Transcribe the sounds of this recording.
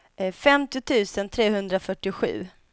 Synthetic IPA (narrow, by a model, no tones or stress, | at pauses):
ɛfɛmt̪ɪʊt̪ʰʉ̟ːsənt̪ʰɾeːhɵnd̪ɾafœʈːɪɧʉ̟ː